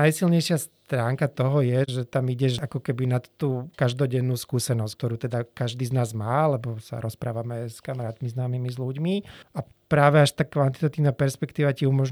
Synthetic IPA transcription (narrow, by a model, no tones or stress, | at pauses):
ajsilɲɛjʃɪast̪ɾaːŋkat̪ɔɦɔjɛʒɛt̪amiɟɛʒakɔkɛbinat̪ːuːkaʒd̪ɔɟɛnːuːskuːsɛnɔsckt̪ɔɾuːt̪ɛd̪akaʒd̪iːznaːzmaːalɛbɔsa̰ɾɔspɾa̰ːʋamɛskamaɾaːt̪miznaːmimizluɟmia | pɾaːʋɛaʃt̪aːkʋant̪it̪ɔt̪iʋnaːpɛɾspɛkt̪iːʋaciumɔʒ